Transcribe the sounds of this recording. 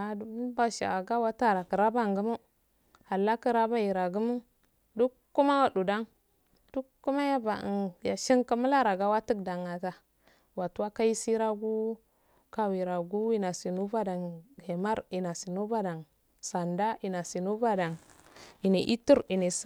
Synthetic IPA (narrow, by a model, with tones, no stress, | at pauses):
a˨dba˨ʃa̰˨a˨ɡa˦wa˦ta˦ɾa˨kə˨ɾa˦ba˦˨ŋɡə˦mu˦ | ha˨lːa˦kə˦ɾa˦ba˦ji˨ɾa˨ɡu˦mu˦n | du˦ | kːu˦ma˦wa˨du˨da˦ŋ | d̥u˦kːu˦ma˦ja˦ba̰˨nja˨ʃi˦ŋka˦mu˦la˦ɾa˨ɡa˦wa˦tə˦k̚da˨ŋa˨ta˨ | wa˨tu˦wa˦ka˦i˦si˦ɾa˦ɡu˦ | ka˨wi˨ɾa˨ɡu˦wi˦na˨si˨nu˦ba˦da˨ŋhe˨ma˦ɾi˨na˨si˨nu˦ba˦da˨ŋ | sa˨nda˦i˨na˨si˨nu˦ba˦da˨ŋi˨ne˨ʔḭ˦tu˦ɾi˨ne˨